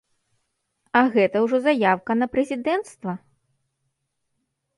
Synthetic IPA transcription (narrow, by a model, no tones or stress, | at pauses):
ɐɣɛt̪ɐwʐɔzajawkɐnɐpɾɛzʲid̪ɛnt̪st̪vɐ